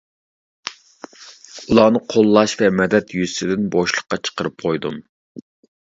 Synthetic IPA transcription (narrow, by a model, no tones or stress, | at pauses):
ulˠɑːnɨqʰolˠːɑʃvɛmɛd̪ɛt̪jyzsɪd̪ɪnboʃlˠəχqːɑt͡ʃʰə̥qəɾɨp̚qʰojd̪um